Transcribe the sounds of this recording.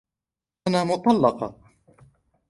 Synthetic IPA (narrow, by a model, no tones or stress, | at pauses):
anaːmʊt̪ˤɑlːɑqɑ